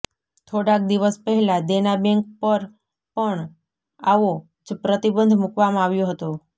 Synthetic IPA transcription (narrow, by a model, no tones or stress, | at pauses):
t̪ʰoɽak̚d̪iʋəspəɦɛlad̪enabɛŋk̚pəɾ | pəɳ | aʋo | d͡ʒpɾət̪ibənd̪ʱmukʋamãaʋjõɦət̪o